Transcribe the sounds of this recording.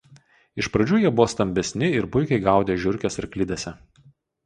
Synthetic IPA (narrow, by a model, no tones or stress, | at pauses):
ɪʃpɾɐd͡ʒʲuːjiɛbʊʋoːst̪ɐmʲbʲɛsʲnʲɪɪɾpʊɪkʲɛɪɡɑˑʊd̪ʲeːʒʲʊɾʲkʲɛsɪɾklʲɪd̪ʲɛsʲɛ